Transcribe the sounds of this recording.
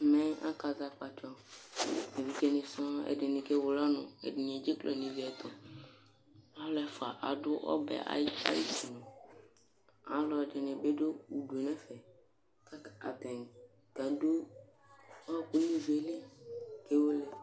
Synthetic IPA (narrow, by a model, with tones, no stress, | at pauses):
mɛ̃˦a̰˦ka˨za˦k͡pa˨t͡ʃɔ˨ | e˨vi˨ke˦nɪ˨sɔ̃˦ɛ̰˨dɪ˨nɪ̃˨ke˦wʊ˨lɔ˦nʊ̃˨ɛ̰˨dɪ˨ɲ˨e˨d͡ʒe˦klɔ̰˨nĩ˨vi˨ɛ˨t̪ɔ˨ | a˦lɛ˦fa˨ʔa˨dʊ˦ʔɔ̰˦bɛ̰˨a̰˦a̰˦ji˦si˨nʊ̃˨ | a˨lɔ˨dɪ˨nɪ˨be˦dʊ˦u˨du˨e˨nɛ̃˦fɛ˨ | ka˦ka̰˨t̪ɛ̃˨n˨ | ka˨do˦ | a˦ku˦nĩ˦vi˨e˨le˦ke˦wo˦le˦˨